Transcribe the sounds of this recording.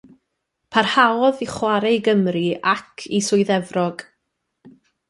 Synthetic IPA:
pʰarhawɔðiχwaɾeɡəmriʔakʰisʊɨðɛvrɔɡ̥

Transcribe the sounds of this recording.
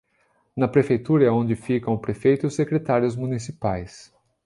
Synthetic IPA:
nɐpɾefejt̪uɾɐɛõnd͡ʒɪfikɐ̃w̃ʊpɾefejt̪ʊʊsekɾet̪aɾjʊzmũnisipajs

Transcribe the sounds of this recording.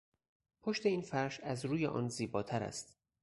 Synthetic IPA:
pʰoʃt̪e̞iːnfæɾʃæzɾuːjḛʔɒ̰ːnziːbɒːt̪ʰæɾæ̰st̪

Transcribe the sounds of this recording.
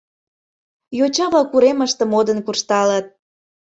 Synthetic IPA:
jot͡ɕɑβɑkuɾeməʃt̪ə̆mod̪ənkurʃt̪ɑlɑt̪̚

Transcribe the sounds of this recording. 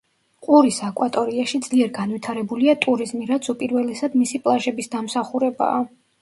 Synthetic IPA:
qʼuɾisakʼwat̪ʼɔɾiaʃid̪zliɛɾɡanvit̪ʰaɾɛbuliat̪ʼuɾizmiɾat̪sʰupʼiɾvɛlɛsad̪misipʼlˠaʒɛbisd̪amsaχuɾɛba̰ː

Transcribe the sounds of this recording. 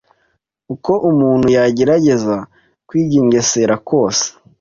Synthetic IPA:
uko̞ʔumuːn̥hujaɟe̞ɾaɟe̞za | kwiːɟiːŋɡe̞se̞ɾako̞ːse̥

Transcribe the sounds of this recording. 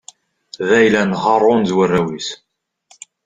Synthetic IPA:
ðæjlænʁɑrˤːoʊnzwərːæwis

